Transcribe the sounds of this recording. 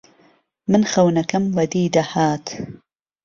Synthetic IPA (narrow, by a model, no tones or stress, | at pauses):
mɨnxɐwnɐkɐmwɐd̪iːd̪ɐhaːt̪